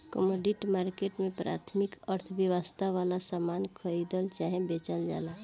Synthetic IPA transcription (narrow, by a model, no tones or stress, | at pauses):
kə̰moɖiʈmaɾkeʈmẽpɾa̰t̪ʰmikəɾt̪ʰəbjəwəst̪ʰaʋalasamankʰəid̪əlt͡ʃaɦẽbet͡ʃəld͡ʒa̰la